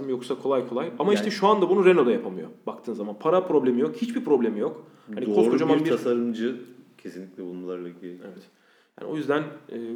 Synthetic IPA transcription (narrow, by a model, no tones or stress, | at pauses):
mjo̞ksakʰo̞lˠajkʰo̞lˠajamaiʃt̪ʰɛʃuand̪abunuɾe̞no̞d̪ajapʰamɯjo̞̰bak̚t̪ʰɯːnzamanpʰaɾapɾo̞blʲe̞mijo̞khit͡ʃbiɾpɾo̞blʲe̞mijo̞k | hdanikʰosɾkod͡ʒamambiɾʰasaɾɯmd͡ʒɯcʰesinlʲiclʲɛbulˠmalˠaɾlˠaɟievɛt̪ | ja̰ːnḭo̞̰jyzd̪ænɛː